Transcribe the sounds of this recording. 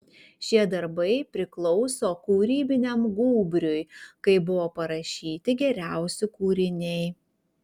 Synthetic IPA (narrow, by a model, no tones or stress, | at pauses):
ʃʲiɛd̪ɐɾbɐɪpʲɾʲɪklˠɔʊsoːkuːɾʲiːbʲɪnʲɛmɡuːbʲɾʲʊjkɐɪbʊʋoːpɐɾɐʃʲiːt̪ʲɪɡʲɛɾʲæˑʊsʲʊkuːɾʲɪnʲɛɪ